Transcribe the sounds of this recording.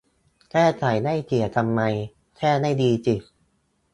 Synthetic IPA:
kʰɛː˥˩t͡ɕʰa˩˦jna˥˩jt͡ɕʰi˨˩ət̪ʰa˧mːa˧j | kʰɛː˥˩na˥˩jdiː˧t͡ɕi˨˩

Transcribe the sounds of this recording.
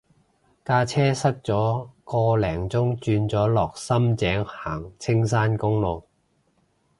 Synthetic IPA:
kaː˧t͡sʰɛː˥sɐ˥k̚t͡sɔː˨˥kɔː˧lɛː˨˩ŋt͡sʊ˥ŋt͡ʃyː˧nt͡sɔː˨˥lɔː˨k̚sɐ˥mt͡sɛː˨˥ŋhaː˨˩ŋt͡sʰɪ˥ŋsaː˥nkʊ˥ŋlo˨˧w

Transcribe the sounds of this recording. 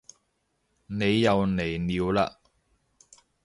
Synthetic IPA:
ne˨˧jːɐ˨˧wne˨˩jniː˨wla̰ː˧

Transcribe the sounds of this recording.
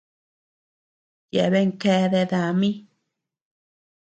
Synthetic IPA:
je˨βe˧˦ŋke˧˦d̪e˧d̪a˧mi˦

